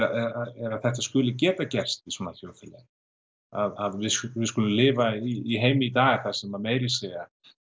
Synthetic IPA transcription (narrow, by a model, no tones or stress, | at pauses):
aɛɾaɛɾaðθɛht̪askʏːlɪc̬ɛːt̪acɛr̥st̪isɔnaθjow̪fɪlɛ̰ | aðaðvɪðsvɪðskʏlʏmlɪːvaiːɦeːjmɪit̪aːɣɪɾ̥θasɛmameːjɾɪseːɣa